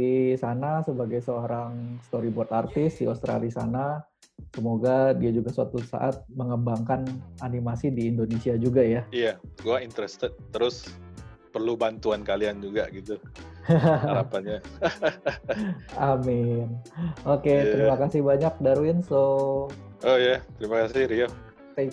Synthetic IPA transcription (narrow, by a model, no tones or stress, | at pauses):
isanasəbaɡajsəoɾaŋst̪oɾibɔt̪art̪ɪsdiost̪ɾa̰lisa̰na | səmoɡadiad͡ʒuɡasuat̪usa̰ʔat̪̚məŋəmbaŋkananimasidiːndonesiad͡ʒuɡajaijaɡuaint̪əɾɛst̪ɛt̪̚ːəɾʊs | pərlubant̪uankaliand͡ʒuɡaɡit̪u | aɾapanɲa | amɪnoket̪əɾimakasɪhbaɲak̚daɾuɪnso | ojat̪əɾimakasɪhɾio | t̪e